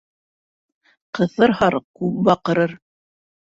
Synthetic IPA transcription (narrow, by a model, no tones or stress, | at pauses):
qɤ̆θɤɾhɑɾkʉp̚bɑqɤ̆ɾɤɾ